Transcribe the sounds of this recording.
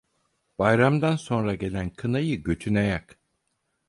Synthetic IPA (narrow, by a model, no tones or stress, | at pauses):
b̥ajɾamd̪anso̞nɾaɟe̞lʲænkʰɯnajɯɟø̞t̪ʰynajak